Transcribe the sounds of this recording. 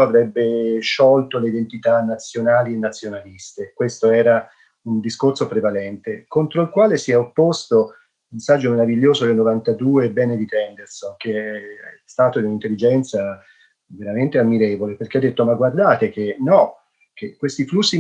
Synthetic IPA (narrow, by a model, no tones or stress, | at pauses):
avɾɛbːeʃɔlt̪oleid̪ent̪it̪anːat̪sːjonaːlienːat̪sːjonalist̪ekwest̪oɛːɾa | und̪iskorsopɾevalɛnt̪ekont̪ɾoilkwaːlesiɛopːost̪o | unsad͡ʒːomeɾaviʎːoːzod̪elnovant̪ad̪uːebɛːned̪it̪ɛnd̪ersonk̟eɛst̪aːt̪od̪iunint̪elːid͡ʒɛnt̪sa | veɾament̪eamːiɾeːvoleperk̟ead̪ːet̪ːomaɡward̪aːt̪ek̟enɔ | k̟ekːwest̪iflusːi